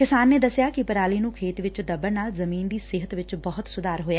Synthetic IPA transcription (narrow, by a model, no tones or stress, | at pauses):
kɪsaːnːeːd̪əsjaːkɪpəɾaːliːnũːkʰeːt̪ʋɪt͡ʃd̪əbəɾnaːlzəmiːnd̪iːsɪɦət̪ʋɪt͡ʃbəɦʊt̪sʊd̪aːɾɦoːjaː